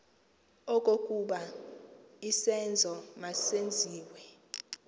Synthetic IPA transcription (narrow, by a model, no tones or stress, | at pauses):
ɔkʼokʼuɓa | isɛnd͡zʱɔmasend͡zʱiːwɛ